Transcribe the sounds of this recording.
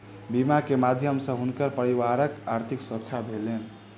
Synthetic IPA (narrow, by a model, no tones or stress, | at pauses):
bimakemad̪ʱjəmsə̃ɦunkəɾpəɾiwaɾəkaɾt̪ʰiksətːt͡ʃʰabʱelen